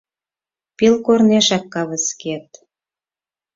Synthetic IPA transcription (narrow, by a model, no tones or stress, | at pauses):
pilkorneʃɑkːɑβə̆sket̪̚